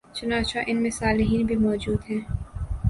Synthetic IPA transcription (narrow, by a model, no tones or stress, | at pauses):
t͡ʃʊnaːt͡ʃaʔɪnmẽsaːlɪɦiːnbʱimɔːd͡ʒuːd̪ɦɛ̃ː